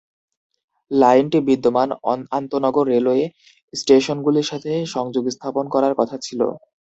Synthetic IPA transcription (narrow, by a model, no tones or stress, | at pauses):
lajnʈibid̪ːomanant̪onɔɡoɾːeloe | sʈeʃonɡuliɾʃat̪ʰeʃɔŋd͡ʑoɡst̪ʰaponkɔɾaɾkɔt̪ʰat͡ɕʰilo̰